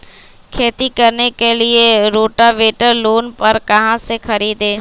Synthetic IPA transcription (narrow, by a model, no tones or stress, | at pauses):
kʰeːt̪ikɐɾnekelieɾoːʈaʋeːʈəɾloːnpɐɾkɐɦãsexɐɾiːd̪eː